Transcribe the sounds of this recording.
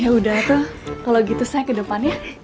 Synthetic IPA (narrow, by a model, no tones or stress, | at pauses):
jaudaht̪ʊhkaloɡit̪usajakədəpanja